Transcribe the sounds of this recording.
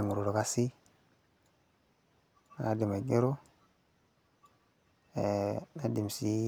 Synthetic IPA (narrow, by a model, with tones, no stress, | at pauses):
ŋu˨ɾo˨ɾo˨ka˦si˦ | na˨a˦di˨ma˨ɡe˦ɾo˦˨ | na˦di˨m˨si˦